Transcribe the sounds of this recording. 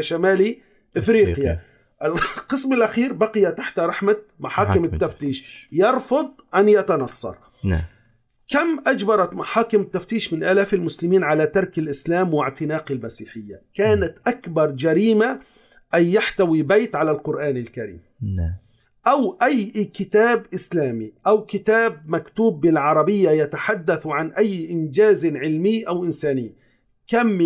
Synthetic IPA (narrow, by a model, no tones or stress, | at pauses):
ʃamaːli | ʔɪfɾiːqɪja | ʔɪlqɨsmɪlʔaxiːɾbaqɪjat̪aħt̪aɾˤɑħmamaħɑːkɪmɪt̪ːaft̪iːʃjɑɾˤfʊd̪ˤʔanjat̪anɑsˤːɑ̰ɾˤ | kamʔad͡ʒbɑɾˤɑt̪maħɑːkɪmɪt̪ːaft̪iːʃmɪnʔaːlaːfɪlmʊslɪmiːnʕalat̪ɑɾˤkɪlʔɪslaːmwɪʕt̪ɪnaːqɪlmasiːħɪjːakaːnat̪ʔakbɑɾˤd͡ʒaɾiːma | ʔajːaħt̪awibajt̪ʕalalqʊɾʔaːnɪlkaɾḭːm | ʔawʔajːkɪt̪aːbʔɪslaːmiʔawkɪt̪aːbmakt̪uːbːɪlʕɑɾˤɑbɪjːajat̪aħad̪ːaθʕanʔajːʔɪnd͡ʒaːzʕɪlmiːʔawʔɪnsaːnɪː | kamː